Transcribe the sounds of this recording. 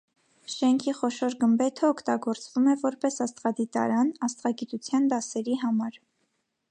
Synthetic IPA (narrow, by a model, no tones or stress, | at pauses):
ʃɛŋkʰiχɔʃɔɾɡəmbɛt̪ʰəɔkʰt̪ɑɡɔɾt͡svumɛvɔɾpɛsɑst̪ʁɑd̪it̪ɑ̰ɾɑnɑst̪ʁɑɡit̪ut͡sʰjɑnd̪ɑsɛɾiɦɑmɑɾ